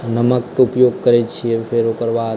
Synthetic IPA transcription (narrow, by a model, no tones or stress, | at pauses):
nəmək̚t̪oupjoɡ̚kəɾet͡ʃʰiefʰeɾokəɾʋa